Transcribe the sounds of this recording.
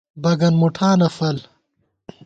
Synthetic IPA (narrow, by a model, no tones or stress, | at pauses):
bɐɡɐnmuʈʰaːnɐfɐl